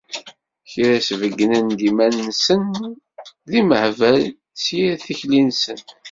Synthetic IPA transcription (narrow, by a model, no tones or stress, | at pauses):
çɾæsvəɡːnænd̪imænːsən | ðiməhvæl | sjæθiçlinsən